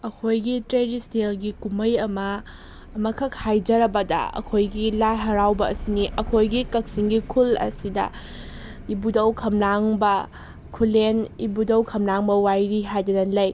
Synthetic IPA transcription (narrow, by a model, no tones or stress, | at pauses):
ɐkʰojɡitɾeɾistelɡikumɐjɐmɐː | mɐkʰɐk̚hajd͡ʒɐɾɐbɐdɐ̰ɐ̰kʰojɡilajɦɐɾawbɐɐsiniʔɐkʰojɡikɐk̚siŋɡikʰulɐ̰sidɐ̰ | ibudɐwkʰɐmnaŋbɐ | kʰulenibudɐwkʰɐmnaŋbɐwajɾiɦajdɐnɐnlɐj